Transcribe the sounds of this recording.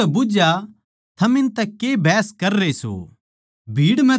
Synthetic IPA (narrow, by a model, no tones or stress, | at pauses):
ɛbʊd͡ʒja | t̪ʰɐmɪ̃nt̪ɛkebʱɛːskɐɾːeso̰ː | bʱiːɽmɛ̃